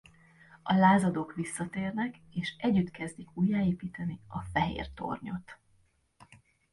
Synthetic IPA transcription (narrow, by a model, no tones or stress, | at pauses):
ɒlaːzɒd̪o̞kʋisːɒt̪eːrnɛkeːʃɛɟːyt̪kɛzd̪ikuːjːaːeːpiːt̪ɛniɒfɛɦḛːrt̪o̰rɲo̞t̪